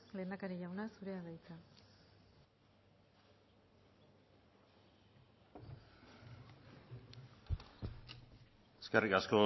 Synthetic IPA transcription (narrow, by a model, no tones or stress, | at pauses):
le̞ːnd̪akaɾiʝawnasuɾeaðajt͡sa | eskerikasko̞